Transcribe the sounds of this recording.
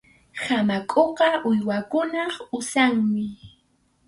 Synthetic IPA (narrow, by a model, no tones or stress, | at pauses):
samakʼoqɑʔʊjwakʊnɑχʊsaŋmɪ